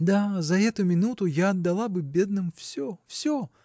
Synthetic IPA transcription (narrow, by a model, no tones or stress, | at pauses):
d̪azɐɛt̪ʊmʲɪnut̪ʊjaɐd̪ːɐlˠabɨbʲe̞d̪̚nɨmfsʲofsʲo